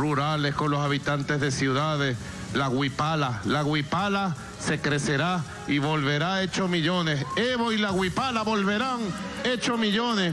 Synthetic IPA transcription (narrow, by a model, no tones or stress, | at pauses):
ruɾale̞sko̞nlo̞saβit̪ant̪e̞zðe̞sjuðaðe̞s | laɣwipalalaɣwipala | se̞kɾe̞se̞ɾa | iβo̞lβe̞ɾae̞t͡ʃomiʎo̞neseβoilaɣwipalaβo̞lβe̞ɾaŋe̞t͡ʃomiʎo̞ne